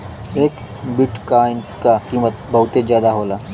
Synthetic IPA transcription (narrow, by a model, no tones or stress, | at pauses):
eːk | bɪʈkaːɪnkakiːmət̪bɐɦʊt̪ezjaːd̪aɦoːlaː